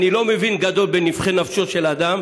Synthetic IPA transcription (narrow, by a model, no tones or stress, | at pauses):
nilo̞mevinɡad̪o̞lbenivχenafʃoʃe̞lad̪am